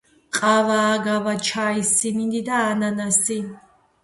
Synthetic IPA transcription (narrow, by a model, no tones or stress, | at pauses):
qʼavaːɡavat͡ʃʰaːisinind̪id̪aːnanasin